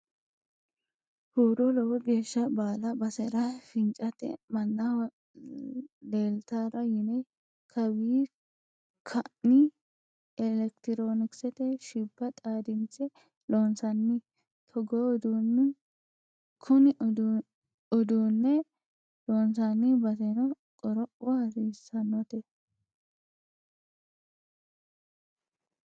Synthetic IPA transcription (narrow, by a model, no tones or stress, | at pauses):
huːɾɔlɔwɔɡe̞ːʃːɐbaːlɐbɐsɛɾɐfɪnt͡ʃʼɐt̪ɛ̰mɐnːɐ | leːlt̪aːɾɐjɪne | kʰɐwiː | kʰɐɪ | ɛlɛkt̪ɪɾoːnɪksɛt̪ɛʃɪbːɐt̪ʼaːd̪ɪnt͡sɛ | loːnsɐnːɪ | t̪ʰɔɡod̪unːɪ | kʰʊnɪ | ɔd̪uːnːɛ | loːnsanːɪbɐt̪ɛnɔ | kʼɔɾɔʔʊɐɾiːsːɐnːɔt̪ɛ